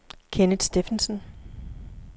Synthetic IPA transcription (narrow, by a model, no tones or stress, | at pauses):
kʰenəd̥sd̥efnsən̩